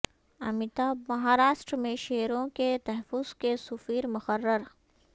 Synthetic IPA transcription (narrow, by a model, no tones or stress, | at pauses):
ɐ̰mɪt̪amɐɦaːɾaːʃʈɾmẽʃeːɾõket̪ɛɦfʊz̥kesʊfiːɾmʊxəɾːəɾ